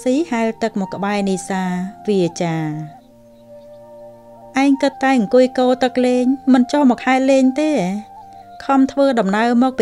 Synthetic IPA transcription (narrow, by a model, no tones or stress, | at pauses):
siːhaɛlt̪ɨk̚mɔkːə̆ɓaɛniːsaːʋiət͡ɕaː | ʔaɛŋkɨt̪ːaɛŋkuəjkoːlt̪ɨk̚leːɲmɨnt͡ɕohmɔːk̚haɛt̪̚leːɲt̪eː | kʰɑmt̪ʰʋəːɗɑmnaəwmɔːk̚pi